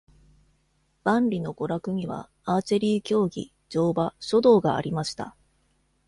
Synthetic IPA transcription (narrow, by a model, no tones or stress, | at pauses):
b̥ãnɾʲino̞ɡo̞ɾakɯ̟ɲ̟iβa̰ | aːt͡ɕiɾʲiːkʲo̞ːɡʲḭ | d͡ʑo̞ːbaɕo̞d̪o̞ːɡa̰ːɾʲimaɕi̥t̪a̰